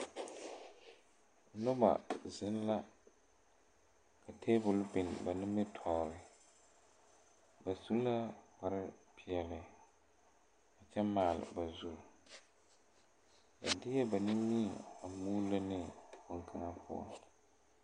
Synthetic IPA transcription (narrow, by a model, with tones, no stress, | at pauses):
nʊ˦ba̰˨zɪ˦n˦la˦ | kʰa˨tʰeː˦bʊ˨lbɪ˨n˨ba˨nɪ˦mbɪ˦tʰɔː˨ɾɪ˨ | ba˨su˦n˦la˦k͡pa˨ɾɪ˦pʰɪ˨ɛ˨lɪ˨ | a˨t͡ʃɛ˦maː˨lɪ̰˨ba˨zu˦l | ja̰˨dɪ˦jɛ˦ba˨nɪ˦mi˦˨a˨muː˦la˦nɪ˦˨kʊ˨ŋkʰa˦ŋa˦pʰʊ̰˦˨ɔ̰˦